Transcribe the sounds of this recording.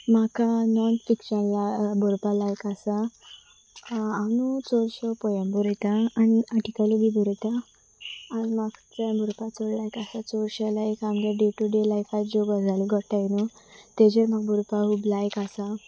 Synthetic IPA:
makanɔnfikɕənlabɔɾpalajkasa | nut͡sɔɾɕɔpɔjə̃mbɔɾəjt̪aːniaʈikaluɡibʱuɾət̪aː | nimaɡt͡sabɔɾpat͡sɔɾlajkasat͡sɔɾɕəlajkamɡaɖeʈuɖelajkʰat̪̚d͡ʑoɡad͡zaliɡʱɔʈajnut̪ed͡ʑemaɡbɔɾpaɦublajkasa

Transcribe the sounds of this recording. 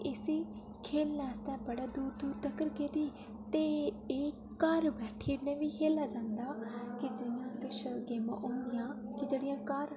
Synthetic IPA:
ɪsiː | kʰeːlnaːst̪ɛːbəɽaːd̪uːɾd̪uːɾt̪əkəɾkeːd̪iː | t̪eː | eː | kəɾbɛːʈʰiːnẽːʋiːkʰeːlaːd͡ʒãːnd̪aːkɪd͡ʒɪjãːkɪʃʰɡeːmã̰ːʔõːnd̪ɪjãːkɪd͡ʒeːɽɪjãːkəɾ

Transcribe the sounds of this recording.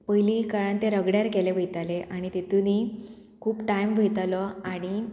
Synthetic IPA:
pəjlikaɾant̪eɾəɡɽjaɾkeleʋʱəjt̪aleʔaɽ̃it̪et̪uni | kʰuːpʈaimʋʱejt̪alɔaɽ̃i

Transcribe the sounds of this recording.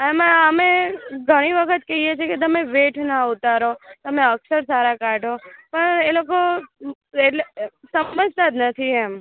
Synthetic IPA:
ɛməmeɡʱəɽ̃iʋəkʰət̪kəɦiet͡ʃʰeket̪̬əmeʋeʈʰnaʊt̪aɾot̪əmeəksəɾsaɾakaʈopəɳeloko | eesəpməd͡ʒʱt̪ad̪nət̪ʰiɛm

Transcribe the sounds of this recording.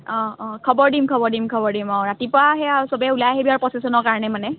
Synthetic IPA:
ɔ̃kʰɔbɔɹdimkʰɔbɔɹdimkʰɔbɔɹdimɔ̃ɹatipʊɹaɦɛasɔbɛulajaɦebiaɹpɹɔsesɔnɔɹkaɹɔnɛmanɛ

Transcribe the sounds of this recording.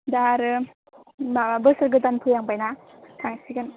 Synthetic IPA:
daɾɯ | abɯsaɾɡɯtanpʰɯjaŋbajnakaŋsikan

